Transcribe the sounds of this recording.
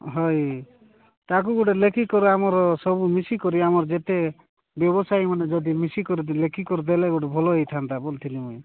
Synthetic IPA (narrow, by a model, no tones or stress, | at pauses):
ɦɔj | t̪ak̬uɡoʈelekʰikɔɾuamɔɾɔsɔbumisikɔɾiamɔɾɔd͡ʒet̪e | bjɔbɔsajmaned͡ʒɔd̪imisikɔɾilekʰikɔɾud̪eleɡoʈebʱɔlɔejt̪ʰant̪abolt̪ʰilimuj